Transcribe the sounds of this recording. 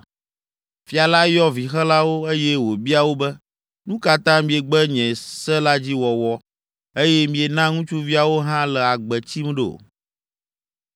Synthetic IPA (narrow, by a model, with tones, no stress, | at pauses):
fi˨a˨la˦jɔ˦vi˨xɛ˦la˦wo˦e˦jɛ˦wo˨bi˦a˨wo˦bɛ˦ | nũ˦ka˦t̪ã˦mĩ˨e˨ɡ͡bɛ˦ɲɛ̃˨sɛ˦la˦d͡ʑi˦wɔ˨wɔ˦ | e˦jɛ˦mĩ˨e˨nã˦ŋũ˦t͡ʃu˦vi˦a˨wo˦ɦã˦lɛ˨a˨ɡ͡bɛ˨t͡ɕi˦m˦ɖo̰˨